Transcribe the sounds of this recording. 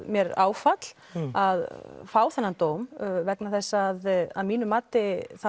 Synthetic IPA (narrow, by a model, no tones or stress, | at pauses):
mjɛɾaːwfat̪l̥ | aðfaːwθanːant̪oːwmvɛknaθɛsːaðaðmiːnʏmaːt̪ɪθa